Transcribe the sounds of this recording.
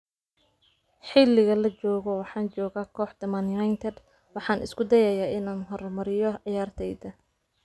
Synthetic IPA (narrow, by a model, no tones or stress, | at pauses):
ħɪlːɪɣɐlɐt͡ʃɔːɣɔwɑħɑːnt͡ʃɔːɣaːkʰɔːħd̪ɐmɐnjajnt̪ʰɛd̪ | wɑħɑːnʔɪ̰skʊd̪ɐjɐjaːʔɪnaːnɦɔrmɐɾɪjɔʕjaːrt̪ʰɛjd̪ɐ